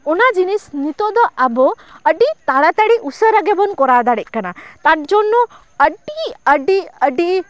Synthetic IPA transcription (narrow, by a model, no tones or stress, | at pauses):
ɔnad͡ʒinisnit̪ɔd̪ɔʔabɔ | əɖit̪aɽat̪aɽiʔusəɾəɡɛbɔnkɔɾad̪aɽɛc̚ˀkanat̪at̪̚d͡ʒɔnːɔ | əɖiəɖiəɖi